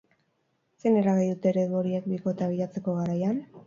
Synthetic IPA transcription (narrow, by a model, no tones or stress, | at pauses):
se̞neɾaɣejðut̪e̞ɾeðuoɾiek̚biko̞t̪aβ̞iʎat͡se̞ko̞ɣaɾajan